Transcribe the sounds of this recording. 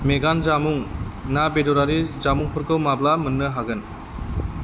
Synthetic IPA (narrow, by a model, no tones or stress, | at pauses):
meɡanzamuŋnabedɔɾaɾizamuŋpʰɯɾkʰɯwmablamɯnːɯɦaɡɯn